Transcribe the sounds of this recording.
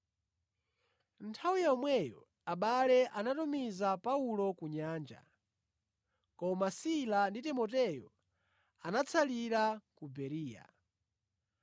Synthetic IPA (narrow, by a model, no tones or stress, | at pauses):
ntʰawujaɔmwɛjɔ̰ | aɓalɛʔanatumizapaulɔkuɲaːnd͡ʒa̰ | kɔmasilanditɛmɔt̬ɛjɔ | anat͡sʰaliɾakubɛɾiːja̰